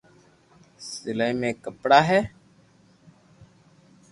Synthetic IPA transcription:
sɪləimẽːkəpɽaːɦɛː

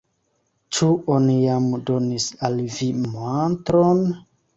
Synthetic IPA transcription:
t͡ʃuonijamdo̞nisalvimantɾon

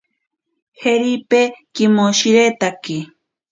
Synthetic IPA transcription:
heɾipekimoʃiɾet̪aki

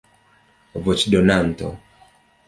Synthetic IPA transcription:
vɔt͡ʃdɔnant̪ɔ̰

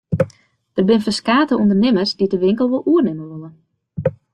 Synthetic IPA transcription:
d̥ərbɪnəfəskaːtəundərnɪmərsdidəʋɪŋkəlˠʋɔlˠuərnɪmənʋølˠən

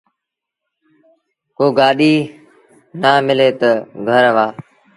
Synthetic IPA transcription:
koːɡaːɗiː | naːmɪleːt̪əɡʱəɾʋaː

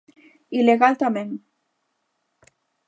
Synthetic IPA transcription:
ileɣalt̪ameŋ

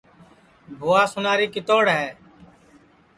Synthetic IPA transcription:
bʱʊːaːsʊnaːɾiːkɪt̪oːɽɦɛː

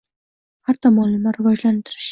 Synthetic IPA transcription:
haɾt̪ʰɒmɒnlɪmaɾɪvɒd͡ʒlant̪ʰɪɾɪʃ

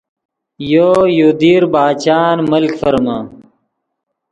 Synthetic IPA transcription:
joːjoːd̪iːɾbaːt͡ɕaːnmɐlkfɐɾmaː

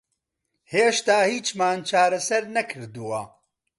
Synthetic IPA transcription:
heːʃt̪aːhiːt͡ʃmaːnt͡ʃʰaːɾɐsɐɾnɐkʰɨɾd̪uwɐ

